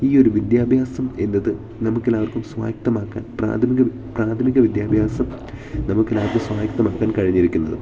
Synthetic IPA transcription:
iːo̞ɾuʋid̪jaːbʱjaːsɐme̞nːɐðɨ | nɐmukːelːaːʋɐrkumsʋa̰ːk̚t̪ɐmaːkːaːnpra̰ːt̪ʰɐmiɣɐ | praːt̪ʰɐmiɣɐʋid̪jaːbʱjaːsɐm | nɐmukːe̞lːaːʋɐrkɨmsʋaːk̚t̪ːɐmaːkːaːnkɐɻiɲːiɾikʲːunːɐðɨ̰

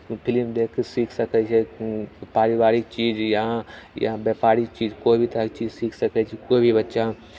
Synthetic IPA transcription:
pʰɪlmd̪eːkʰːesiːkʰsəkɛt͡ʃʰɛpaːɾibaːɾik̚t͡ʃiːd͡ʒjãjabjɛːpaːɾik̚t͡ʃiːd͡ʒkoːibʱit̪ɐkt͡ʃiːd͡ʒsiːkʰsəkɛt͡ʃʰɛkoːibʱibɐtːʃa

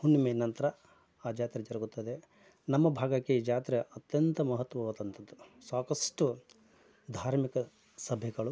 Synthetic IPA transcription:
hunːimenɐnt̪ɐɾɐ | aːd͡ʒaːt̪ɾɐd͡ʒɐɾɐɡut̪ːɐd̪e | nɐmːɐbʱaːɡɐkːeid͡ʒaːt̪ɾeɐt̪jɐnt̪ɐmɐɦɐt̪ːʋɐʋɐd̪ɐnt̪ʰɐd̪ːusaːkɐsʈu | d̪ʱaːɾmikɐ | sɐbʱɛɡɐɭu

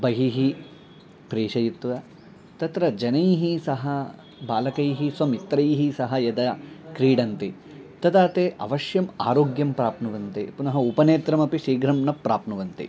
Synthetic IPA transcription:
bɐɦiɦi | pɾeːʃɐjit̪ʋɐ | t̪ɐt̪ɾɐd͡ʒɐnɐjɦisɐɦɐ | baːlɐkɐjɦisʋɐmit̪ɾɐjɦisɐɦɐjɐd̪ɐkɾiːɖɐnt̪i | t̪ɐt̪aːt̪eːʔɐ̰ʋɐʃjɐma̰ːɾoːɡjɐmpɾaːpnɐʋɐnt̪ḭpunɐɦɐupɐneːt̪ɾɐmɐpiʃiːɡɾɐmnɐpːɾaːpnɐʋɐnt̪ḭ

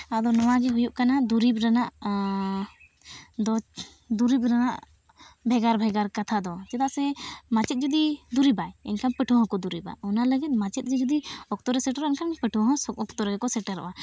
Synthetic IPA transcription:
ad̪ɔnɔwaɡɛɦujuʔkanad̪uɾibɾanaʔ | d̪ɔ | d̪uɾibɾanaʔ | bʱɛɡaɾbʱɛɡaɾkat̪ʰad̪ɔt͡ʃɛt̪aʔsɛmat͡ʃɛt̪̚d͡ʒɔd̪id̪uɾibajɛ̰nkʰanpəʈʰɔ̃ɦɔ̃kɔd̪uɾiba̰ɔnaləɡɛt̪̚ˀmat͡ʃɛt̪̚ɡɛd͡ʒɔd̪iɔk̚t̪ɔɾɛsɛʈɾɛnkʰanpəʈʰɔɦɔ̃ɔkt̪ɔɾɛɡɛkɔsɛʈaɾɔ̰ʔwa

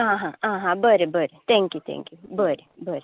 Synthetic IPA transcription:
ɦãɦããːɦãbəɾebəɾet̪ʰɛ̃ŋkjut̪ʰɛ̰̃ŋkjubəɾebəɾe

